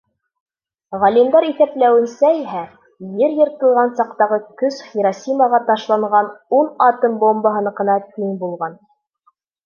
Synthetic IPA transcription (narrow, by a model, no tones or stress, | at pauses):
ʁɑlʲimd̪ɑɾiθæplæwɘ̆nsæiɦæ | jɘɾjɤ̆ɾt̪ɤ̆lˠʁɑnsɑqt̪ɑʁɤkɵsχiɾɑsʲimɑʁɑt̪ɑʃlˠɑɴʁɑnunɑt̪ɤmbombɑɦɤ̆nqɤ̆nɑt̪iŋbulˠʁɑn